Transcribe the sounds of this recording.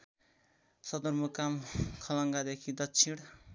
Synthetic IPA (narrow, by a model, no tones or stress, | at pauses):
sʌd̪ʌrmokamkʰʌlʌŋɡad̪ekʰid̪ʌtːt͡sʰiɽ